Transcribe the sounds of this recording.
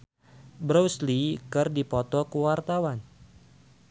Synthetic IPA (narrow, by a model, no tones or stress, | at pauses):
bɾowslikɨrdipɔt̪ɔkəwart̪awan